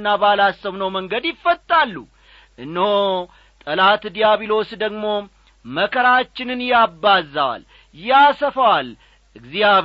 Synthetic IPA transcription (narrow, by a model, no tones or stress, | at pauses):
nːabalasːəwnəwməŋɡəd̪jɪfːət̪ʼːalːu | ʔɨnːho | t̪ʼəlat̪d̪ijaβilo̞sd̪əɡmo̞ | məkʰəɾat͡ʃːɪnɨnjabːazːawa̰l | jasəfəwal | ɨɡzia